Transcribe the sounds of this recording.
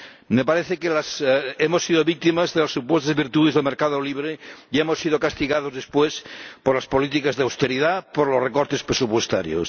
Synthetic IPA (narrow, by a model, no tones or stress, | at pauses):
mepaɾeθekelasemosːiðoβik̚t̪imazðelasːupwest̪azβiɾt̪uðezðelmeɾkaðoliβ̞ɾeiemosːið̞okast̪iɣað̞ozðespwespoɾlaspolit̪ikazðeawst̪eɾiðapoɾlosrekoɾt̪espɾesupwest̪aɾjo̰s